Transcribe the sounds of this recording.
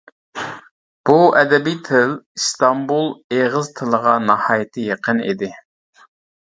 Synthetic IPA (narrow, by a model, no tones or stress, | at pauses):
b̥uʔɛd̪ɛbijt̪ʰɪlst̪ɑmbulˠeʁəzt̪ʰɨlˠəʁɑnɑhɑːjɪt̪ʰɨjeqənḭd̪ɪ